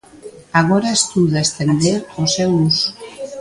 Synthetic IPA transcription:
aɣoɾaest̪uðaest̪end̪eoseus

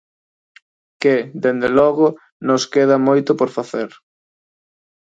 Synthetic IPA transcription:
kɪd̪end̪elɔɣʊ | nʊskeð̞ɐmojt̪ʊpoɾfaθeɾ

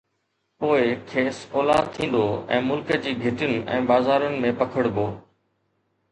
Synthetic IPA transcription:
poːɪkʰeːsɔːlaːd̪̚t̪ʰĩːn̆d̪oːɛ̰̃ːmʊlkəd͡ʑiːɡʱɪʈənɪ̆ʔɛ̰̃ːbaːzaːɾənɪ̆mẽpɐkʰəɽboː

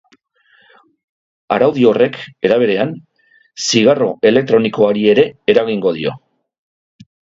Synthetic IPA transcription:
a̰ɾawðio̞re̞ke̞ɾaβ̞e̞ɾe̞an | siɣaro̞ʔe̞le̞k̚t̪ɾo̞niko̞aɾie̞ɾe̞eɾaɣiŋɡo̞ð̞io̞

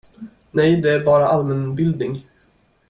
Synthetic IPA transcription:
nɛjd̪ɛæɾbɑːɾaʔalmɛnbɪld̪nɪŋ

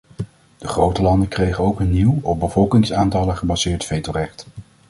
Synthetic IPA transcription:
d̥əχrowtəlɑndəkrejχənowkənːiwɔb̚bəvɔlˠkɪŋsaːntɑləχəbazɪːɹtfejtorɛχt

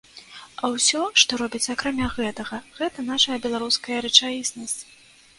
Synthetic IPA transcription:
awsʲɔʂt̪ɔɾɔbʲit͡sʲakɾamʲaɣɛt̪ɐɣɐɣɛt̪ɐn̪aʂɐjɐbʲɛlˠaɾuskɐjɐɾɛt͡ʂajisnɐsʲt͡sʲ

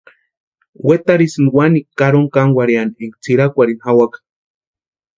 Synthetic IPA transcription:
wet̪aɾisɨnwanikaɾoŋkaŋwaɾianeŋkt͡siɾakʷaɾinhawakḁ

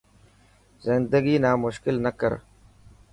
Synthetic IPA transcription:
zɪnd̪əɡiːnaːmʊʃkɪlnəkəɾ

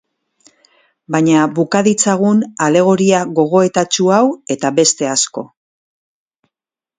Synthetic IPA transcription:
baɲaβukaðit͡saɣunale̞ɣ̞o̞ɾiaɣo̞ɣ̞o̞e̞t̪at͡ʃuawe̞t̪aβe̞st̪e̞asko̞

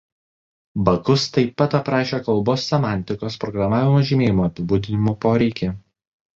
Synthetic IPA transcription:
bɐkʊst̪ɐɪpːɐt̪ɐpɾɑːʃʲeːkɐlˠˑboːsʲːɛmɑˑnʲt̪ʲɪkoːspɾɔɡɾɐmɑːʋʲɪmoːʒʲimʲeːjɪmoːɐpʲɪbuːd̪ʲɪnʲɪmopoːɾʲɛɪkʲe

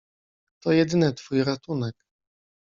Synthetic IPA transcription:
t̪ɔjɛd̪ɘnɘt̪fujɾat̪unɛk

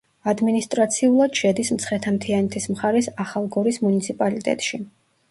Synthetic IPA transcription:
ad̪minist̪ʼɾat̪sʰiulˠad̪̥ʃɛd̪ismt̪sʰχɛt̪ʰamt̪ʰianɛt̪ʰismχaɾɛsaχalˠɡɔɾismunit̪sʰipʼalit̪ʼɛ̰t̪ʼʃi

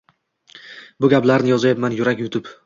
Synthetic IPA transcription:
bʊɡʲaplaɾnɪjɒzajapmanjʊɾakʲjʊt̪ʰɪp

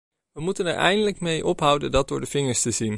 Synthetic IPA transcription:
ʋəmutənɛ̰ɹɛ̰jndələkmejʔɔpɦʌwdəndɑt̚dʊːɹdəv̥ɪŋəɹstəzin

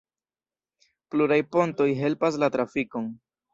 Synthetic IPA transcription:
pluɾajpo̞nto̞jɦe̞lpas̬latɾafiko̞n

